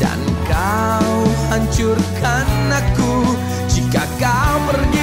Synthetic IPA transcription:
da̰nka | whaɲt͡ʃurkanaku | d͡ʒikakawmərɲi

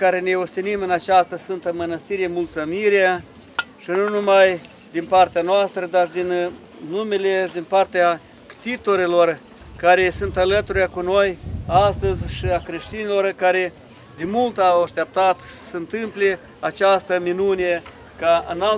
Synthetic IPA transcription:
kaɾe̞neost̪inimɨnat͡ʃast̪əsfɨnt̪əmənəst̪iɾemult̪sɨmiɾea | ʃinunumaj | d̪inpart̪eanoast̪ɾəd̪ard̪in | nume̞le̞ʃid̪inpart̪ea | t̪it̪oɾilo̞r | kaɾe̞sunt̪alət̪uɾjakuno̞jast̪əzʲʃiakɾe̞ʃt̪inilo̞rkaɾe̞ | d̪emult̪awaʃt̪ep̚t̪at̪sə̥səɨnt̪ɨmple̞ | at͡ʃast̪əminune | kaɨ̰nal

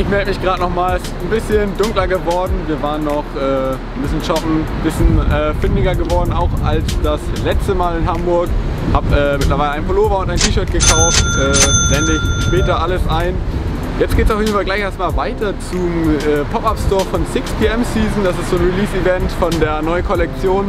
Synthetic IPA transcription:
ʔɪçmɛldəmɪçɡ̥ʁaːdənɔχmaːl | nbɪsçəndʊŋklɐɡəvɔɐdn̩viːɐvaːʁənːɔχʔɛː | nbɪsçənʃɔpm̩b̥ɪsçənʔɛːfɪndɪɡɐɡəvɔɐdn̩aʊxalsd̥aslɛt͡stəmaːlɪnɦambʊɐk | haːpʔɛːmɪtlɐvaɪləaɪnpʰoloːvɐʊntaɪntʰiːʃœɐt̚ɡ̥əkʰaʊftʔɛːvɛndəɪçʃpɛːtɐʔaləsʔaɪn | jɛt͡stɡ̥eːtsaʊfjeːdn̩falɡlaɪçʔeːɐst̚maːlvaɪtɐt͡sumɛːpʰɔpapstɔːɐfɔnsɪkspʰiʔɛmsiːzn̩d̥asɪstz̥oːnʁiliːsivɛntfɔndeːɐnɔʏənkʰɔlɛk̚t͡sjoːn

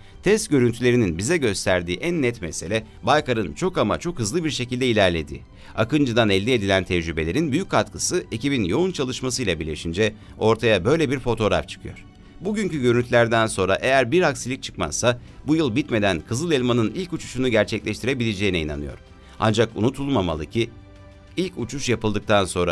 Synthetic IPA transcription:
t̪ʰɛst̪ɟʲø̞ɾynt̪ʰylʲe̞ɾininbizɛɟø̞st̪ʰæɾd̪iːʔænːɛt̪me̞se̞lʲɛ | bajkaɾɯnt͡ʃʰo̞kama̰t͡ʃʰo̞khɯzlˠɯbiɾʃe̞cilʲd̪ɛilʲæɾlʲe̞d̪ḭː | a̰kɯnd͡ʒɯd̪anɛlʲd̪ɛed̪ilʲænt̪ʰɛd͡ʒɾybe̞lʲe̞ɾinbyjyc̚kʰːat̪kʰɯsɯecibinjo̞unt͡ʃʰalˠɯʃmasɯjlˠabiɾlʲeʃind͡ʒɛ | o̞ɾt̪ʰajabø̞jlʲebiɾfo̞t̪ʰo̞ɾa̰ft͡ʃʰɯ̥kʰɯjo̞̰ɾ̥ | buɟyɲcyɟøɾynt̪ʰlʲæɾd̪ænso̞nɾaʔe̞jæɾbiɾhaksilʲic̚t͡ʃʰɯ̥kma̰ssa | bujɯlˠbit̪me̞d̪ænkʰɯzɯlˠelʲmanɯnilʲcut͡ʃʰu̥ʃunuɟæɾt͡ʃʰɛclʲɛʃt̪ʰiɾe̞bilʲed͡ʒe̞jinɛina̰nɯjo̞̰ɾ̥ | a̰nd͡ʒakṵnut̪ʰulˠmamalˠɯcʰi | ilʲcut͡ʃʰuʃjapɯlˠd̪ɯk̚t̪ʰanso̞nɾa

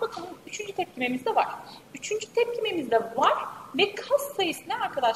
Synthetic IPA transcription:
bakʰɯnˠɯnyt͡ʃʰynd͡ʒyt̪ʰɛp̚cʰime̞mizd̪ɛvaɾ̥yt͡ʃʰynd͡ʒyt̪ʰɛp̚cʰime̞mizd̪ɛvaɾ̥vɛkʰassajɯsɯnɛaɾkʰad̪aʃ

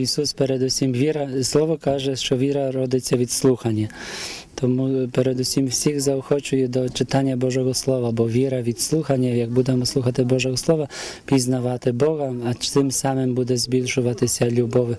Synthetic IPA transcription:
isuspɛɾɛd̪usʲimʋʲiɾɐslˠɔʋɔkaʒɛʂt͡ʃɔʋʲiɾɐɾɔd̪ɪt͡sʲːɐʋʲit̪slˠuxanʲːat̪ɔmupɛɾɛd̪usʲimwsʲiɣzaɔxɔt͡ʃʊjɛd̪ɔt͡ʃɪt̪anʲːabɔʒɔɣɔslˠɔʋabɔʋʲiɾɐʋʲit̪slˠuxanʲːajaɡ̚bud̪ɛmɔslˠuxat̪ɪbɔʒɔɣɔslˠɔʋapʲiznaʋat̪ɪbɔɣɐat̪ɪmsamɪmbud̪ɛzʲbʲilʲʃʊʋat̪ɪsʲɐlʲubɔʋɪ

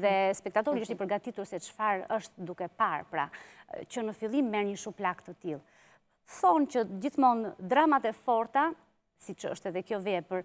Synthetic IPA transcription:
ðɛspɛkt̪at̪ɔɾiiʃt̪ipəɾɡat̪it̪uɾsɛt͡ʃfaɾəʃt̪d̪ukɛpaɾpɾa̰cənəfilˠimːɛɾɲəʃuplakt̪ət̪ilˠ | θɔncəd͡ʑiθmɔnd̪ɾamat̪ɛfɔɾt̪a | sit͡ʃə̰ʃt̪ɛðɛkjɔvɛpəɾ

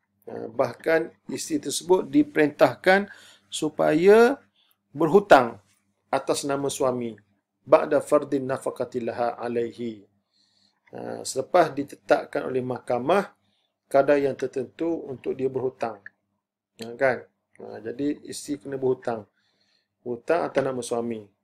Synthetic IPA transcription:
ə̰bahkanist̪it̪ərsəbʊt̪̚dipəɾint̪ahkan | supa̰ja | bərɦut̪aŋ | at̪asnãmãsuamĩ | ba̰ʔdafard̪ɪnːafaqat̪ilaɦaa̰lajɦi | ə̰sələpasdit̪ə̥t̪a̰ʔkanʔo̰lɛhmahkamah | kadajaŋt̪ərt̪ənt̪uunt̪ʊk̚diabərhut̪aŋ | əkan | ə̰d͡ʒadiḭsikənə̃bərhut̪aŋ | hut̪aŋa̰t̪awnãmãsuwamĩ

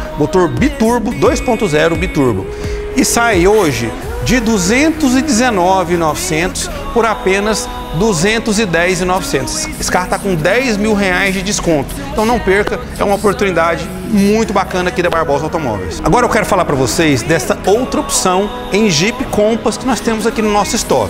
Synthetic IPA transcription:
mot̪oɾbit̪uɾbʊd̪ojspõnt̪ʊzɛɾʊbit̪uɾbʊ̰ | ɪsajoʒɪ | d͡ʒɪd̪uzẽnt̪ʊzɪd͡ʒ̪ɪzenɔvɪnɔvɪsẽnt̪ʊ̥s | poɾapẽnɐz | d̪uzẽnt̪ʊzɪd̪ɛjzɪnɔvɪsẽnt̪ʊsɪskaɾt̪akõd̪ɛjzmiwɦeajzd͡ʒɪd͡ʒɪskõnt̪ʊ̥ẽt̪ɐ̃w̃nɐ̃w̃peɾkɐ | ɛ̰ũmɐopoɾt̪unid̪ad͡ʒɪ | mũj̃t̪ʊbakɐ̃nɐakid̪ɐbaɾbɔwzawt̪omɔ̰vḛjsaɡɔɾɐewkɛɾʊfalaɾpɾɐvosejzd̪ɛst̪ɐowt̪ɾɐopi̥sɐ̃w̃ | ẽj̃ʒipɪkõmpɐskɪnɔst̪ẽmʊzakinʊnɔsʊist̪ɔ̰kʊ

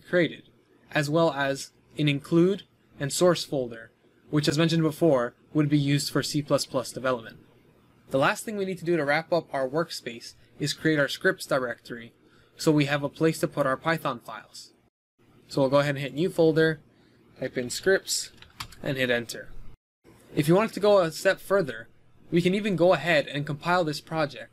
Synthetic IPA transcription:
kʰɹ̥ieɪɾɨɾ | ʔɨzwɛlˠəz | ɨ̃nɨ̃nkʰl̥ʉɾ | ɨ̃nsɔɹsfoʊlˠdə˞ | wɨt͡ʃɨzmɛ̃nʃɨ̃nbəfɔɹ | wəd̚bijʉzd̥fə˞sipʰl̥ʌspʰl̥ʌsd̥ɨvɛlˠəp̚mə̃nt | ðəlæst̪̚θɪ̃ŋwinid̚tʰɨdɨɾɨɹæpʌpaʊə˞wɜ˞kspeɪs | ɨz̥kʰɹ̥ieɪɾaʊə˞skɹ̥ɪp̚tsd̥əɹɛk̚tʰə˞i | soʊwiɨvəpʰl̥eɪstʰɨpʰʊɾaʊə˞pʰaɪθɑ̃nfaɪlˠz̥ | soʊilˠɡoʊəɦɛɾn̩ɦɪtⁿnjʉfoʊlˠdə˞ | tʰaɪpɨ̃nskɹɪp̚tsʔɨ̰̃nɦɪɾɛ̃ntʰə˞ | ɨfjɨwɑ̃ntʰɨɡoʊəstɛpfɜ˞ðə˞ | wikɨ̃nivɨ̃nɡoʊəɦɛɾɨ̃nkə̃m̩pʰaɪlˠðɪspʰɹ̥ɑd͡ʒɛk̚t̚

